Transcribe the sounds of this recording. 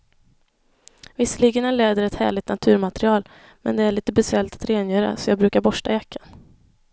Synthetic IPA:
vɪsːəliːɡənæleːd̪əɾɛt̪hæ̰ːɭɪt̪nat̪ʰʉ̟ːɾmat̪ɾɪɑːl | mɛ̰nd̪ɛæɭiːt̪əbɛsɛlt̪ḁt̪ɾeːnjœːɾa̰sɔjɑːɡ̚bɾʉ̟ːkaɾbɔʂʈajakʰːan

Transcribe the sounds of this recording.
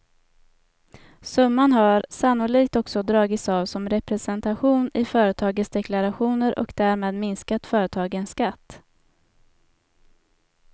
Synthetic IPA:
sɵmːanɦaɾsanːʊɭiːkt̪ɔksɔd̪ɾɑːɡɪt̪saːvsɔmɾɛpɾɛsɛnt̪aɧuːnɪfœːɾət̪ʰɑːɡət̪sd̪ɛklaɾaɧuːnəɾʔɔ̰kd̪æːɾmeːd̪mɪnskat̪fœːɾət̪ʰɑːɡənskat̪ː

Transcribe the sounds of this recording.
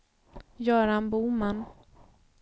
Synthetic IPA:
jœːɾanbuːman

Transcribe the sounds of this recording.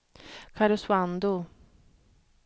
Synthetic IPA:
kʰaɾʊswand̪ʊ

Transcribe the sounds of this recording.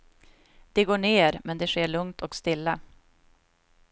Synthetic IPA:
d̪̥ɛɡoːɳeːɾmɛnd̪ɛʂeːɭɵŋt̪ʰɔkst̪ɪlːa

